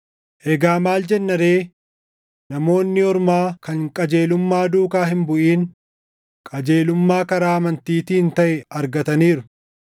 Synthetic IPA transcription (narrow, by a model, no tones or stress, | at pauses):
ʔɛɡaːmaːld͡ʒɛnːɐɾe̞ː | nɐmo̞ːnːɪɔɾmaːkɐŋkʼɐd͡ʒe̞ːlʊmːaːd̪uːkaːɦɪmbʊʔiːn | kʼɐd͡ʒe̞ːlʊmːaːkɐɾaːɐmɐnt̪iːt̪iːɪnt̪ɐʔɛɐɾɡɐt̪ɐniːɾʊ